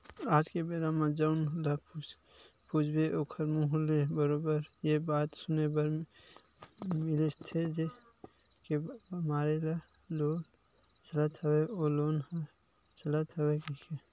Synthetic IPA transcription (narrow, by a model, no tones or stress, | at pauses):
aːd͡ʒkebeɾamãd͡ʒəʊnlap | pud͡ʒʰbeʔoːkʰəɾmũɦlebəɾoːbəɾjebaːt̪sʊnebəɾ | mɪlest̪ʰed͡ʒe | keɐmaːɾela | loːn | t͡ʃələt̪ʰəweoloːnɦ | t͡ʃɐlət̪ʰəwekikʰe